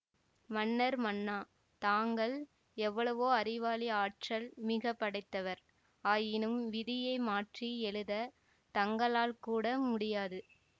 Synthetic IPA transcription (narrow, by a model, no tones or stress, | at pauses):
mɐnːɐɾmɐnːaː | t̪aːŋɡɐɭ | ɛʋːɐɭɐʋoːɐɾɪʋaːlɪaːʈrɐlmɪɣɐpːɐɽɐɪt̪ːɐʋɐɾ | aːjɪnɯmʋɪðɪjɐɪmaːʈriɛɭɯðɐ | t̪ɐŋɡɐɭaːlkuːɽɐmʊɽɪjaːðɯ